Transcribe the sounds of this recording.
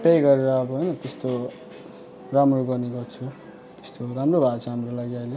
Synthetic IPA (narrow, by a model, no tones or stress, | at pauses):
pejɡʌɾeɾʌːbʌɦojnʌt̪est̪o | ramroɡʌrniɡʌrt͡sʰu | t̪e̥st̪oɾamrobʱat͡sʰaɦamrolaɡiʌjle